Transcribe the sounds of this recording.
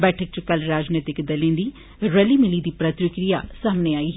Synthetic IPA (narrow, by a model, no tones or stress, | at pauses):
bɛːʈʰək̚t͡ʃʊkəlɾaːd͡ʒneːt̪ɪkd̪ɐlẽːd̪iː | ɾəliːmɪliːd̪iːpɾət̪wɪkɾijaːsaːmneːaːiː